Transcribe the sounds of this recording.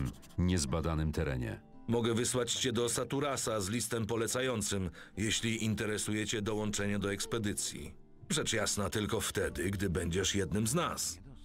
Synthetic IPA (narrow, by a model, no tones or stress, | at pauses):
m | ɲɛzbad̪anɘmt̪ɛɾɛ̰ɲɛ̰ | mɔɡɛvɘswat͡ɕt͡ɕɛd̪ɔsat̪uɾasazlʲist̪ɛmpɔlɛt̪sajɔnt̪sɘm | jeɕlʲiint̪ɛɾɛsujɛt͡ɕɛd̪ɔwɔnt͡ʂɛɲɛd̪ɔɛkspɛd̪ɘt̪sʲjḭ | ʐɛt͡ʂjasnat̪ɘlkɔft̪ɛd̪ɘɡd̪ɘbɛɲd͡ʑɛʂjɛd̪̚nɘmznas